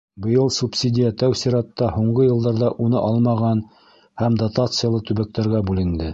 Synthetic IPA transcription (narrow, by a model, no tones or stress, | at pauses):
bɤ̆jɤlˠsupsʲid̪ʲɪjæt̪æwsiɾɑt̪ːɑhuɴɢɤjɤ̆lˠd̪ɑɾðɑʔunɤʔɑlˠmɑʁɑn | hæmd̪at̪at̪sɨjalˠɤt̪ʉβæk̚t̪æɾɡæbʉlɘ̆nd̪ɘ